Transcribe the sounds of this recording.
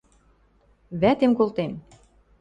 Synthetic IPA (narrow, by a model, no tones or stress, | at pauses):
βæt̪emkolt̪em